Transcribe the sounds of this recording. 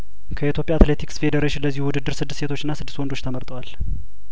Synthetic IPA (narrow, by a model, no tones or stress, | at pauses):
kʰəit̪jo̞pʼjaːt̪le̞t̪ʰiksfe̞d̪əɾeʃɪnləzːihuwʊd̪ɨd̪ːɨɾsɨd̪ːɨsse̞t̪ʰo̞t͡ʃːɨnːasɨd̪ːɨst̪wɔnd̪o̞t͡ʃːt̪ʰəməɾt̪ʼəwal